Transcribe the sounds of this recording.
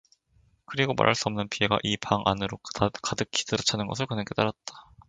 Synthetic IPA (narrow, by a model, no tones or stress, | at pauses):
kɯɾiɡoma̰ɾʔɦaɭs͈uʌmnɯnpʰie̞ɡa̰ʔipaŋʔa̰nɯɾokadɯkʰːi̥tɯɾɯt͡ɕʰanɯnɡʌsʰɯɭkɯnek͈et͈aɾat̚t͈ḁ